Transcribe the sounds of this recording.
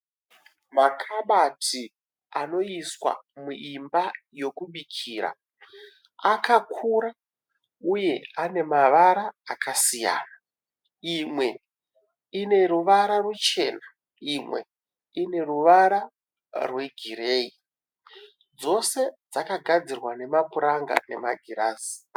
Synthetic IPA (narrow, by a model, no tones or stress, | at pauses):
makʰaɓatʰi | ano̞iswa̰muʔimba | jo̞kuɓikʰiːɾa̰ | akakʰuɾa | uje̞ane̞maʋaɾaːkasija̰ːna | imwe̞ | ine̞ruʋaɾarut͡ʃe̞ːna | imwe̞̰ | ine̞ruʋaɾa | rwe̞ɡʱiɾeːi | d͡zo̞se̞d͡zakaɡʱad͡zirwane̞mapuɾaŋɡa̰ne̞̰maɡʱiɾaːzi̥